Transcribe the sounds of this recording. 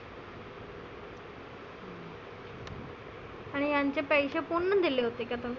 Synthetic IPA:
aɽ̃ijaɲt͡ɕepəjɕepuɳːəd̪ileɦot̪ekʲjat̪o

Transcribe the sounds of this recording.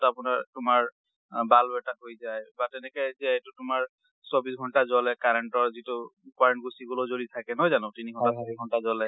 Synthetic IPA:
tapʊnaɹtʊmaɹ | balbɛtatɦojzajbatɛnɛkɛjzɛtʊtʊmaɹ | sɔbisɡʱɔntazɔlɛkaɹɛnʈɔɹzitʊkwaɹɛnʈ̚ɡusiɡulozolitʰakɛnɔjzanɔ̃tiniɡʱɔnasɔɹbisɡʱɔntazɔalɛ

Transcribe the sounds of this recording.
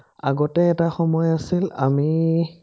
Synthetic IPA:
a̰ɡɔtɛɛtaxɔmɔjasila̰mi

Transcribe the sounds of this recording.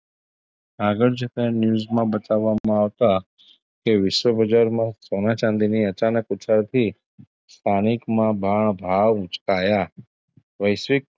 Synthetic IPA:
aɡəɾd͡ʒet̪ẽnjuːzmãbət̪aʋːamãaʋt̪a | keʋɪʃʋəbəd͡ʒaɾmãsonat͡ʃãnd̪iniət͡ʃanəkʊt͡ʃʰəɾt̪ʰi | st̪ʰanɪkmãbʱaɳ̃bʱaʋʊ̃t͡ʃkaja | ʋəjsʋɪk̚

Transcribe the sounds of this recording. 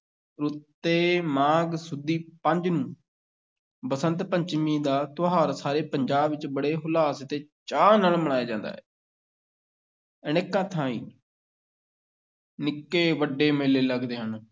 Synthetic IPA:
ɾʊt̪ːeːmãːɡsʊd̪iːpəɲd͡ʒnũː | bəsənt̪pəɲt͡ʃmĩːd̪aːt̪oɦaːɾsaːɾeːpəɲd͡ʒaːbʋɪt͡ʃbəɽeːɦʊlaːst̪eːt͡ʃaːnəlməɽ̃aːeːd͡ʒãːnd̪a̰ːɦɛ̰ː | ənekːãːt̪ʰãːḭː | nɪkːeːʋəɖeːmeːleːləɡd̪eːɦən

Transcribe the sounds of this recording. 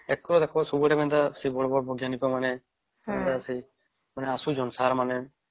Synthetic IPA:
ɛkɾɔd̪ɛkʰɔbasɔbuʈamɛnd̪asibɔɽɔbɔɽɔbʱɔɡjanikɔmanɛ | ɛnd̪asi | manɛasud͡ʒɔnsaɾmanɛ

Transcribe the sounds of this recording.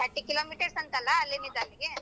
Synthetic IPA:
aɐʈːikiloːmiːʈɐɾsɐnt̪alːaːlːinid̪alːiɡe

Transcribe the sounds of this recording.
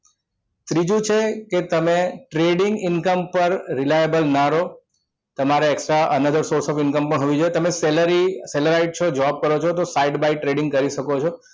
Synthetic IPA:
t̪ɾid͡ʒũt͡ʃʰeket̪əmeʈɾeɖɪŋɡɪnkəmpəɾɾɪlajəbəlnaɾo | t̪əmaɾeeksʈɾaʔənəd̪əɾsoɾsɔfɪnkəmpəɳɦoʋid͡ʒoet̪əmeseləɾiseləɾaiʈ̚t͡ʃʰod͡ʒəʋab̚kəɾot͡ʃʰot̪osajɖbaiʈɾeɖɪ̃ŋɡ̚kəɾiʃəkot͡ʃʰo

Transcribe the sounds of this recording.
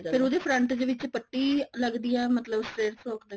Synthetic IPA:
pʰɪɾoːd̪eːpʰɾəɳʈd̪eːʋɪt͡ʃpəʈːiːləɡd̪iːɛːmət̪ləbseɾfʰoːkd̪e

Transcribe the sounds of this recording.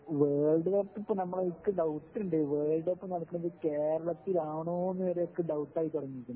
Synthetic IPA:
ʋeːɭɖɨɣɐt̪ːipːɐmnɐmːɐɭeikːɨɖɐwʈːuɳɖɨʋeːɭɖepːɐmnɐɭkːɨɳiðɨkeːɾɐɭɐt̪ːilaːɳoːenːɨʋɐɾe̞jo̞kːeɖɐwʈːaːjit̪ːuɽɐŋːiikʲːunː

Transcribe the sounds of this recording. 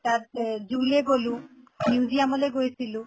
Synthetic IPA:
ʈaɾd͡ʑuleɡolu | niud͡ʑiamɔleɡojesʰilu

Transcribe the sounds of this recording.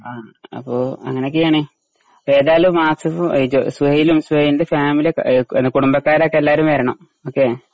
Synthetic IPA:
aːɐ̰pːoːɐ̰ŋːɐnekːijaːɳi | eːðaːlumːaːsɐfud͡ʑosʋujilumsʋɐjind̪efaːmiliekːenːɨkuɽumbɐkːaːɾokːelːaːɾumʋɐɾɐɳɐm | oːkːe

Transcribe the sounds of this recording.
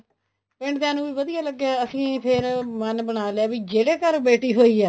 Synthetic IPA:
pɪ̃ɳɖd̪ãːnũːʋiːʋəd̪ijaːləɡːjaːəsĩːpʰɪɾmənbəɽaːleaːʋiːd͡ʒeːɽeːkəɾbeːʈiːɦoːiːɛː

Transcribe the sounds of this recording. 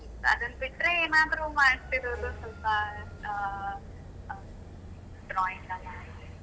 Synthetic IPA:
ɐ̰d̪ɐnɐbiʈːɾeeːmaːt̪ɾumaːɽt̪iɾoːd̪usɐlpɐ | ɖɾɔːiɳʈɐla

